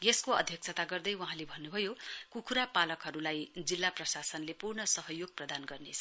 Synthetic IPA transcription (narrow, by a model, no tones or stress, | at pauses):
jeskoʌ̰d̪ʱjʌk̚sʰʌt̪aɡʌrd̪ʌjwuɦãlebʱʌnːubʱʌjokukʰuɾapalʌkɦʌɾulajd͡zilːaprʌsasʌnlepurnʌsʌɦʌjoɡ̚prʌd̪anɡʌrnet͡sʰʌ